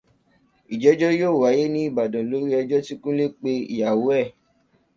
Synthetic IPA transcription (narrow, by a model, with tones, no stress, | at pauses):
i˨d͡ʒɛ˨˦d͡ʒɔ˦joː˦˨wa˨˦je˦nĩ˦i˦˨ba˨dã˨lo˦ɾi˦ɔ˧d͡ʒɔ˦ti˦kũ˦le˦k͡pe˧ḭ˨ja˨wo˦ɛ˦˨